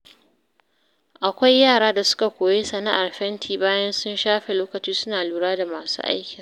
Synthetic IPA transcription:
ʔa˨kʷa˦jːaː˦˨ɽaː˦da˨sʊ̥˦ka˨kʷoː˨je˦sɐ˨na˦ʔa˨rɸɛ˦ntʰiː˦baː˦jɐ˦nsʊ˦nʃaː˦ɸe˨loː˦kɐ˨t͡ʃiː˦sʊ˦naː˨luː˨ɽaː˦da˨maː˨sṵː˦ʔa̰˦jkʲɪ˨ŋ

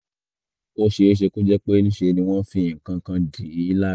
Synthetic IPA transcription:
o˧ʃe˧˦ʃ̬e˧ko˦d͡ʒɛ˦k͡pe˦nĩ˦ʃe˧nĩ˧w̃ɔ̃˦fĩ˦j̃ĩ˨kã˧kã˧di˨˦i˦la˦

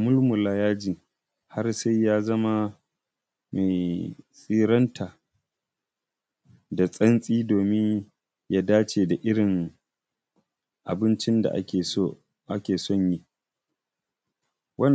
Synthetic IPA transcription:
mʊ˦lmʊ˨laː˦jaː˦d͡ʒiː˨ | ha˦rsa˦jjaː˦zɐ˦ma˦ | me˨jsʼiː˦ɾɐ˦ntʰaː˨ | da˨sʼɐ˦nsʼiː˦doː˨mɪ˦ɲ | ja˦daː˦t͡ʃeː˨da˨ʔɪ˦ɽɪ˨ŋ | ʔa̰˨bɪ˦nt͡ʃɪ˦nda̰˨ʔa̰˦e˨˦˨ | ʔa˦kʲeː˨sɔ˦˨ɲji˦ | wɐ˦n

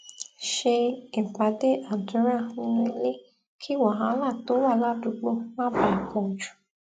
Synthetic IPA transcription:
ʃe˧e˨k͡pa˨˦de˦ʔa˨n̩˨te˧˦ɾa˦˨hu˧˦˧li˦ | kʰi˦wɔ˨ɦã˧˦la˦˨to˦wa˦˨la˦˨du˧ɡ͡bo˧nã˦ba˧˨ko˧˨d͡ʒu̥˨

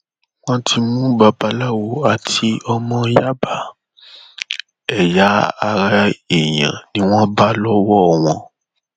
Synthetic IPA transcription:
wɔ̃˦tʰi˧mũ˦ba˧ba˨˧la˦˨wo˨˦a˨tʰi˧ɔ˧mɔ̃˦ja˦ba˨ | ɛ˨ja˨˦a˧ɾa˧e˨jã̰˨nĩ˨˦w̃ɔ̃˦ba˦lɔ˦wɔ˦˨w̃ɔ̃˧

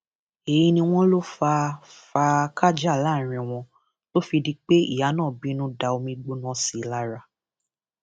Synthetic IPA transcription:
e˨ji˧nĩ˧w̃ɔ̃˦lo˦fa˧fa˧kʰa˦d͡ʒa˦˨la˦˨ɾ̃ĩ˧w̃ɔ̃˧ | lo˦fi˧di˦k͡pe˦ḭ˦˨ja˨˦nãː˦˨bi˦nũ˦da˧o˧mĩ˧ɡ͡bo˦nɔ̃˦si˨˦˨la˧˦ɾa˧

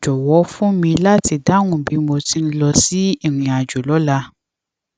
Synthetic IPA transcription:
d͡ʒɔ˨wɔ˨˦fũ˦mĩ˧la˦ti˧da˦ŋ̃ũ˦˨bi˨˦mo˧ti˧n̩˦lɔ˧si˦i˦˨ɾ̃ĩ˨a˨d͡ʒo˨lɔ˨˦la˧

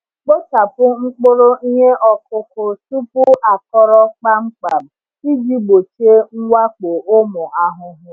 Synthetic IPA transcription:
k͡po˦t͡ʃa˨pʊ˦ŋ͡m̩˦k͡pʊ˦ɾo˦i˦ɲe˦ʔɔ˨kʊ˦kʊ˦tu˦pʊ˦a˨kɔ˦ɾɔ˦k͡pa˦ŋ͡m̩˦k͡pa˨m̩˨ | i˦d͡ʒi˦ɡ͡bo˨t͡ʃe˦ŋ̩˦wa˦k͡po˨ʔʊ˦mʊ˨a˦ɦʊ˦ɦʊ˦

